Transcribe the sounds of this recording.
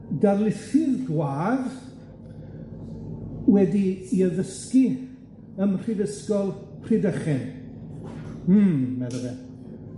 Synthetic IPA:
darlˠɪθɪðɡwaːð | wɛdiːəðəski | əmr̥iðəskɔlˠʰ | r̥idəχɪn | m̩mɛðəðɛ

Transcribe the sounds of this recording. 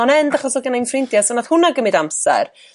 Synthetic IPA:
ɔnɛndaχɔsɔɡanajnfrɪndjasɔnathʊnaɡəmɨdamsɛ̰r

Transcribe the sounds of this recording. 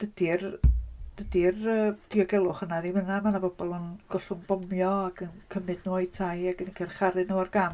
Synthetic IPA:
d̥əd̥ird̥ədirəːd̥iɔɡɛlˠʊχənaðimənamanabɔbɔlˠənɡ̥ɔɬʊŋb̥ɔmjɔaɡənkʰəmɨdnuɔjtʰajaɡənikʰɛrχaɾɨnowarɡam

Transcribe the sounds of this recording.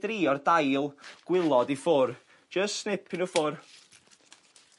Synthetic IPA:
d̥riːɔrdajlˠɡ̥wɪlˠɔdifʊr | d͡ʒəstsnɪpʰɪnufʊr

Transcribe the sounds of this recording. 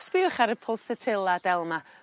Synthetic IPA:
sb̥iʊχaɾəpʰɔlˠsɛtʰɪlˠad̥ɛlˠma

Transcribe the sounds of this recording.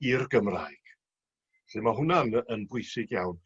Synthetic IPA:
irɡəmra̰ːjɡ̥ | ɬɪmaɦʊnanənbʊɨsɪɡjawn

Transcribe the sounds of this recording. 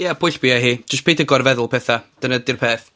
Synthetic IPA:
jɛbʊɨɬb̥ɪaɦiːd͡ʒ̥əstpʰejdəɡɔrvɛðʊlˠpʰɛθad̥ənədɪrpʰeːθ

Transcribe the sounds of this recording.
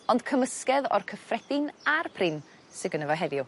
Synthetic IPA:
ɔnd̥kʰəməskɛðɔ̰rkʰəfrɛdɪnarpʰrɪm | sɪɡənəvɔɦɛðjʊ

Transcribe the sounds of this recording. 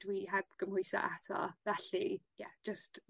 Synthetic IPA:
d̥wiɦabɡ̥əmhʊjsɔ̰ʔatʰɔ̰vɛɬija̰̥d͡ʒəst

